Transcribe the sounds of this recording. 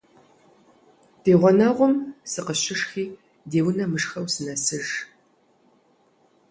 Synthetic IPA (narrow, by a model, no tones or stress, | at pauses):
d̥eːʁʷɔnɐʁʷʊmsɨqəɕɪʂxiː | deːwʊnɐmɨʂxɐwsɨnɐsɨʒ